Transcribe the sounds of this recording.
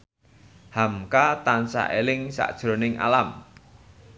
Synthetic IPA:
hamkat̪ansa̰ʔelɪŋsa̰ʔd̥ʒ̥ɾo̤nɪŋʔa̰lam

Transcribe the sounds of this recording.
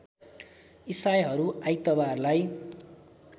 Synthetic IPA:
isajɦʌɾuajt̪ʌbarlaj

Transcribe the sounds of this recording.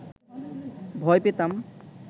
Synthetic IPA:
bʱɔjpet̪am

